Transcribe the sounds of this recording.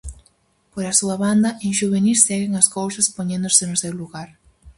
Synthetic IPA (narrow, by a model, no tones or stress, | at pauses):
poɾasuɐβand̪ɐʔẽŋʃuβenissɛɣeŋaskowsɐspoɲẽnd̪osenʊsewluɣaɾ